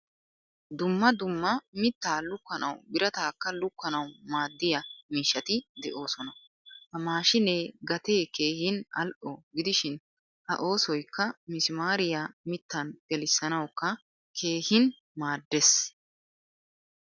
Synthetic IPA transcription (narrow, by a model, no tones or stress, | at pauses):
d̪ʊmːɐd̪ʊmːɐmɪt̪ːaːlʊkːɐnɐ̰wbɪɾɐt̪aːkːɐlʊkːɐnɐwmaːd̪ːɪjɐmiːʃːɐt̪ɪd̪ɛʔo̞ːsɔnɐ | hɐmaːʃɪneɡɐt̪eːke̞ːhɪnɐ̰lʔɔɡɪd̪ɪʃɪn | hɐ̰ʔo̞ːsɔjkːɐmɪsɪmaːɾɪjamɪt̪ːɐnɡ̥ɛlɪsːɐnɐwkːɐ | kʰe̞ːhɪn | maːd̪ːes